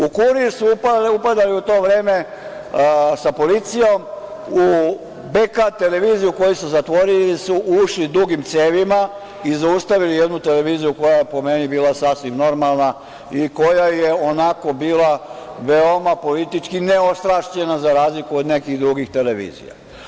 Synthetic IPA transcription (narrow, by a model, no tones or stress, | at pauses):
ukuɾiisuupaupad̪aliut̪o̞ːʋɾe̞ːme̞ | sapo̞lit̪sijo̞m | u | bekat̪e̞le̞ʋiːzijuko̞jisuzat̪ʋo̞ɾilisuʔuʃlid̪uɡimt̪seːʋima | izaust̪aʋilijed̪nut̪e̞leʋiːzijuko̞jajepo̞me̞nibiːlˠasasʋimno̞ɾmalˠna | iko̞jajeo̞nako̞biːlaʋe̞o̞mapo̞lit̪it͡ʃkineo̞st̪ɾaʃʎe̞nazaɾaːzlikuod̪ne̞kiɣd̪ɾuɡixt̪e̞leʋḭːzḭja̰